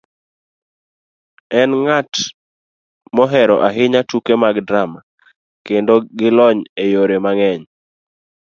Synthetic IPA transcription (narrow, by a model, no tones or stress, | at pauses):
ɛnŋat | mɔɦɛɾɔʔaɦɪɲatukemaɡdɾama | kendoɡɪlɔɲejoɾemaŋɛɲ